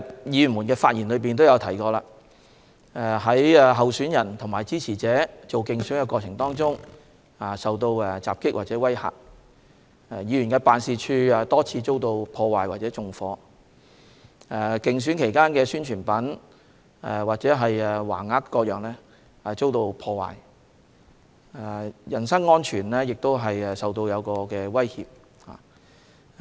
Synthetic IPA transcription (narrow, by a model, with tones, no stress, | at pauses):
jiː˨˧y˨˩muː˨˩nkɛː˧faː˧t̚jiː˨˩nlɵ˨˧ɥpiː˨nt̪̬o˥wjɐ˨˧wt̪ʰɐ˨˩jkɔː˧laː˧ | ɛ˨˧ɦɐ˨˥jɛ˨˧ɦɐ˨wsyː˨˥njɐ˨˩nt̪ʰʊ˨ŋmaː˨˩jt͡siː˥t͡sʰiː˨˩t͡sɛː˨˥t͡so˨wkɪ˨ŋsyː˨˥nkɛ˧kʷwɔː˧t͡sʰɪ˨˩ŋt̪ɔː˥ŋt͡sʊ˥ŋ | a˨˩sɐ˨wt̪o˧wɛ˧t͡sa̰ː˨p̚kɪ˥k̚waː˨t̚t͡sɛː˨˥wɐ˥jha̰ː˨˩k̚ | jiː˨˧jyː˨˩nkɛː˧paː˧nsiː˧t͡ʃʰyː˧ɛ˨˧t̪ɔː˥t͡sʰiː˧t͡so˥wt̪o˧wpʰɔː˧waː˨jwaː˨t͡sɛː˨˥t͡sʊ˨˧ŋfɔː˨˧˥ | ɛ˨˩kɪ˨ŋs̬yː˨˥nkʰe˨˩jkaː˥nkɛː˧syː˥nt͡ʃʰyː˨˩npɐ˨˥n | ɛ˧waː˨t̚t͡sɛː˨˥ɦɐ˨jɛ˨wa̰ː˨˩nŋaː˥tkːɔː˧k̚jœː˨ŋlɛː˥ | ɐ˨t͡so˥wt̪o˧wpʰɔː˧wa̰ː˨˩j | jɐ˨˩nsɐ˥ŋːɔː˥nt͡ʃʰyː˨˩nlɛː˥jɪ˨k̚t̪o˥wɦɐ˨jɛ˨sɐ˨wt̪o˧wjɐ˨˧wkɔː˧kɛː˧wɐ˥jhiː˨p̚ | ha̰ː˨˩